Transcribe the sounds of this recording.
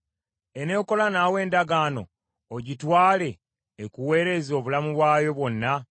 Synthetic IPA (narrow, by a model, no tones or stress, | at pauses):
ene̞ːko̞lanaːwe̞ːndaɡaːno̞ː | ɟitwaːle̞ː | kuwe̞ːɾe̞zo̞ːβulamuβwaːjo̞βwo̞nːa